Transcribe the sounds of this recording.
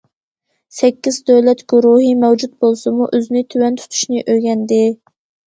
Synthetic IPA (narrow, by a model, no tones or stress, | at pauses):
sɛkʲːizd̪øwlɛt̪ɡ̥ʲuɾuɦimɛwd͡ʒut̪̚bolˠsɨmuʔøznɪt̪ʰywɛnt̪ʰy̥t̪ʰy̥ʃnɪʔøjɡʲɛnd̪ɪ